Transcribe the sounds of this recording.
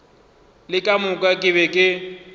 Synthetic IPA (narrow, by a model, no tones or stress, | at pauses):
lɪkʼamʊkʼakʼɪbɛkʼɪ